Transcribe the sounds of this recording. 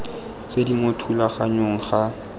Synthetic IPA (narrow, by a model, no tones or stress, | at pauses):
t͡sedimotʰulaχaɲoŋ̩χa